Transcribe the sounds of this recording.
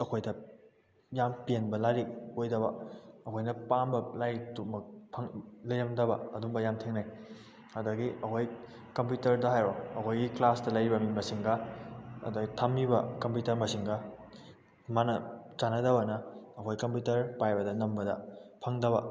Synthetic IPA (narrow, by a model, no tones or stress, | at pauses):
ɐkʰojdɐ | jampienbɐlaɾiojdɐbɐɐkʰojnɐpambɐlajtumɐk̚pʰɐŋlɐjɾɐmdɐbɐ̰ɐduŋbɐjamtʰeŋnaj | ɐdɐɡiʔɐkʰoj | kɐmputɐɾdɐɦajɾoɐkʰojɡiklastɐlɐjɾibɐminbɐsiŋɡɐɐ̰dɐɡitʰɐmːibɐkɐmpjutɐɾmɐsiŋɡɐ | manɐt͡ʃanɐdɐbɐnɐːkʰojkɐmputɐɾpajbɐdɐnɐmbɐdɐ̰pʰɐŋdɐβɐ̰